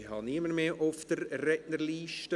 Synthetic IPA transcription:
hɑniəməɾmeːʔʊfd̥əɾrɛtnəɾliːʃtə

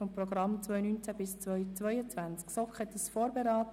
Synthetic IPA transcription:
ɔmprɔɡrɑmt͡svœjnynt͡sæb̥ɪst͡sœt͡sʋœʏət͡svænt͡sksɔkχhɛt̪əsfoːɾbeɾɑːt

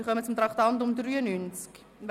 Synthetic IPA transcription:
χœmət͡sʊmt̪rɑχtɑntʊmdryːənynt͡sk | v

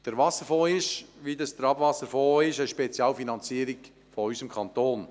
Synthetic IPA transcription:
d̥əɾʋɑsəɾfoːɪʃʋid̪ɑsd̪əɾɑbʋɑsəɾfoːɪʃɛʃpɛt͡sjɑːlfinɑnt͡siːəɾɪk | fɔɔʏsəmkʰɑnt̪oːn

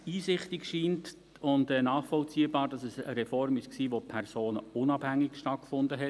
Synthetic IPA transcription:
iːsɪχtɪkʃiːnt | ʊndɛːnɑːχfɔlt͡siəbɑːɾd̥ɑsɛsə̰ɾɛfɔrmɪʃksiːʋopʰɛrsoːnəʊnɑb̥hæŋːɪkʃtɑt̚kfʊndəɦɛ

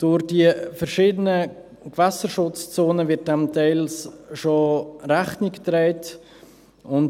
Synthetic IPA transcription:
d̥ʊɾdiəfɛɾʃiːdənə | kvɛsəɾʃʊt͡st͡soːnəvɪt̚dɛmtʰɛɪlsʃoɾaχnɪktɾɛɪt | ʊn

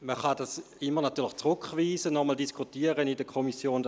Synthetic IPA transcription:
məχɑdas | ɪmːəʁnatyːləχt͡sʁʊkχviːzənɔmɔldiskʰutiːəʁənidəkʰomisjoːn

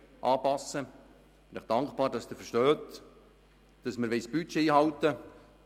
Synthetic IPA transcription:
ʔɑːpɑsə | b̥ɪnɪχd̥ɑŋkpɑːɾd̥ɑsd̥̪əfəʃtœːt | d̥ɑsməɾʋɛɪsb̥yt͡ʃːeiːɦɑwt̪ə

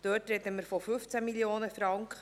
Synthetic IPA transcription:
d̥øːtɾɛt̪əməɾfɔfɵft͡sæmiljoːnəfɾɑŋkχ

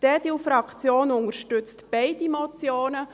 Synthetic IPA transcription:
d̥ɛːdilfɾɑkt͡sjoːnʊŋəɾʃtʉt͡stb̥ɛɪdimot͡sjoːnə

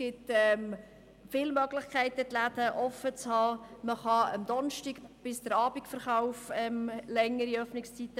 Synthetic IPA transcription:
ɡ̥ɪtɛm | fɪlmœɡlɪχkʰæɪt̪ət̪læd̥̪əʔɔfət͡shɑːməχɑə̰md̥̪ɔnʃtikb̥ɪsd̥əɾɑːbikfəɾχaʊfɛmlɛŋːəɾiœfnɪkst͡sit̪ːə

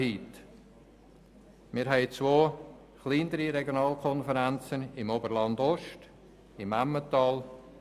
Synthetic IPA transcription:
iːt̪ | mɪːɾɦɛɪt͡svoː | χliːnəɾiɾɛɡjonɑːlkʰɔnfəɾænt͡sənɪmobəɾlɑnd̪ɔʃt | ɪmamːətɑːl

